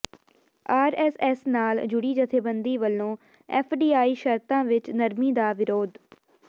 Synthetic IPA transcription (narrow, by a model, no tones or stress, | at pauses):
aːɾɛːsɛːsnaːld͡ʒʊɽiːd͡ʒət̪ʰeːbənd̪iːʋəlːõː | ɛ̰ːpʰɖiːaːiːʃəɾt̪ãːʋɪt͡ʃnəɾmiːd̪aːʋɪɾoːd̪